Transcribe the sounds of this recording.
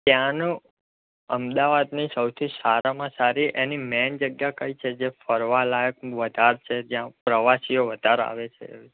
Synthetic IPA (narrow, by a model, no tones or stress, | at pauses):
t̪jãnũ | əmd̪aʋad̪nisəwt̪ʰisaɾamãsaɾiʔenimɛnd͡ʒəɡjakəjt͡ʃʰed͡ʒefəɾʋalajək̚ʋəd̪ʱaɾt͡ʃʰed͡ʒjãpɾəʋasijoʋəd̪ʱaɾa̰ʋet͡ʃʰḛi